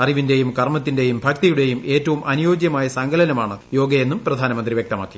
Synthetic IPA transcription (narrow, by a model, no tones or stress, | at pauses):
ɐriʋinde̞jumkɐrmɐt̪̬ːinde̞jumbʱɐkt̪ijuɽe̞jume̞ːtːɐʋumʔɐnujo̞ːd͡ʑjɐmaːjɐsɐŋɡɐlɐnɐmaːɳɨjo̞ːɡɐjenːumprɐd̪ʱaːnɐmɐnd̪riʋjek̚t̪ɐma̰ːkːi